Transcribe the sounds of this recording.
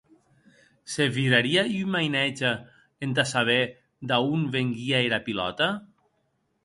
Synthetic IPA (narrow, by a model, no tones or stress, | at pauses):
seviɾaɾiaymajnɛd͡ʒa | end̪asaβ̞e | d̪aunbeŋɡiaeɾapilɔ̰t̪a